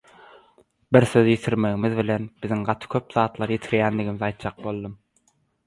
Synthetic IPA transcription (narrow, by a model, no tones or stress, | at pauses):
biɾθø̞ðjit̪ʰiɾme̞ɣimiðβile̞nb̥iðiŋɢɑt̪ʰɯ̥kʲʰø̞pðɑːt̪lˠɑɾjit̪ʰiɾjæːnd̪iɣimizɑjt̪̚d͡ʒɑq̚bo̞lˠd̪ɯm